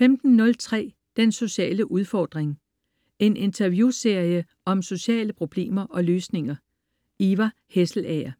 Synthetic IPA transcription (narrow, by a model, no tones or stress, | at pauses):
femd̥n̩ːɔ̽lt͡sʰʁɛ̰ː | d̥enso̝ɕɛ̰ːləʔuð̞ˠfɒ̰ːd̥ʁeŋ | e̝nʔe̝nt͡sʰɐʋjuse̝ɐ̰jə | ɒ̽mso̝ɕɛ̰ːləpʰʁo̝b̥le̝̰ːmɐʔɒ̽løːsne̝ŋɐ | iʋæ | hesl̩ɛɐ